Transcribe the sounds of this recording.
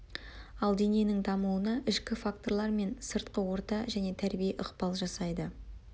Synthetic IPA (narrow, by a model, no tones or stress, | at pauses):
ɑlˠd̪e̞nenɪŋd̪ɑmuənɑʔɪʃkʲɪfak̚t̪o̞ɾlˠɑɾme̞nsəɾt̪qəwo̞ɾt̪ɑʒæne̞t̪ʰæɾbijeʔəqpɑlˠʒɑsɑjd̪ə